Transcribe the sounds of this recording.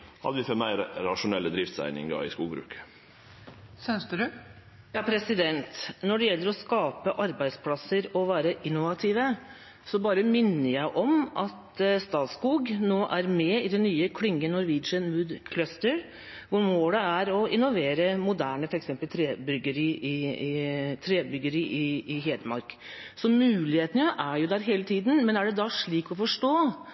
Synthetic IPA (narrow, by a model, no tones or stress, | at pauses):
hɑ̰d̪əʋɪfɛmæɪɾɾɑʂʊnɛlːəd̪ɾɪft̪sæ̰ɪnɪ̰ŋɡɑ̰ɪ̰skuːɡbɾʉ̰ːkə̥ | sɛnst̪əd̪ʉ | jɑːpʰɾɛsɪd̪ɛnt̪nɔɖɛjɛlːəɾɔskɑːpəʔɑɾbæɪspʰlɑsəɾɔʋæːɾəʔɪnːʊʋɑt̪ʰiːʋə | sɔbɑːɾəmɪnːəɾjæɪʔɔmʔɑt̪st̪ɑːt̪skuːɡnoːʔæɾmɛɪd̪ɛnːyːəkʰlɪŋːənɔɾʋɪːd͡ʒənmʉːd̪kʰlœst̪əɾ | ʋʊɾmoːləæɾɔɪnːɔʋeːɾəmʊd̪æːɳəfɔɾɛksɛmpəlt̪ʰɾeːbʏɡəɾiːʔɪɪt̪ʰɾeːd̪bʏɡəɾiːʔɪɪɦeːd̪əmɑ̰ɾk | sɔmʉːlɪheːt̪əəjəʔæɾjʊd̪æːɾɦeːlət̪ʰiːd̪n̩mɛnæɖɛd̪ɑʂɭiːkɔfɔʂʈoː